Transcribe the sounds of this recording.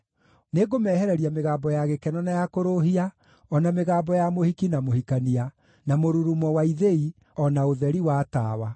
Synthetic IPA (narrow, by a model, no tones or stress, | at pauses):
neɡomɛːhɛɾɛɾiameɣaːmbɔjaɣekɛnɔnajakoɾoɦia | ɔnameɣaːmbɔjamohikinamohikania | namoɾuɾumɔwaiðei | ɔnaoðɛɾiwaːta̰ːwa